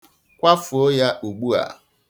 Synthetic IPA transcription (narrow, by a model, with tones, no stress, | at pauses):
kʷa˦fu˨o˦ja˦ʔu˨ɡ͡bu˦a̰˨